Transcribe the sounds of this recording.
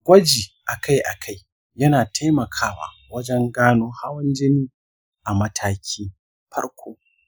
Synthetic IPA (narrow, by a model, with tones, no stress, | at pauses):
ɡʷɐ˦d͡ʒiː˨ʔa˨kʰa˦jʔa̰˨kʰa˦j | jɐ˦naː˨tʰa˦jmɐ˨kʰaː˦wa̰ː˨ | wɐ˦d͡ʒɛ˦ŋɡaː˦noː˦ha˦wɐ˦nd͡ʒɪ˦niː˦ | ʔa˨mɐ˦tʰaː˦kʲʰiː˦ | ɸɐ̰˦ɽkʷʰoː˦